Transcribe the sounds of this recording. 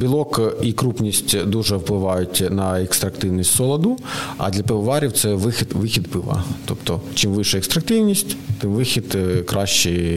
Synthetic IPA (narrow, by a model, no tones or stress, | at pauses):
bʲilˠɔkikɾupnʲisʲtʲd̪uʒɛwplˠɪʋɑjʊtʲnɐɛkst̪ɾɐkt̪ɪwnʲisʲtʲsɔlˠɐd̪ʊɐ̰d̪lʲɐpɪʋɐʋɑɾʲiwt̪sɛʋɪxʲɪd̪ʋɪxʲid̪pɪʋɐ̰t̪ɔpt̪ɔt͡ʃimʋɪʃɛɛkst̪ɾɐkt̪ɪwnʲisʲtʲt̪ɪmʋɪxʲid̪kɾɑʃt͡ʃi